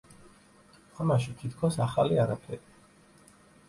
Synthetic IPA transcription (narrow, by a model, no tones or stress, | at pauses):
amaʃ̬it̪ʰit̪ʰkʰɔsaχaliaɾapʰɛɾi